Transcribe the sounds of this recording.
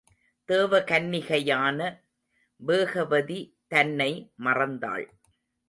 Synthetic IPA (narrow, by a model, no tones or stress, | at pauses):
t̪eːʋɐkɐnːɪɣɐjaːnɐ | ʋeːɣɐʋɐðit̪ɐnːɐɪmɐrɐnd̪a̰ːɭ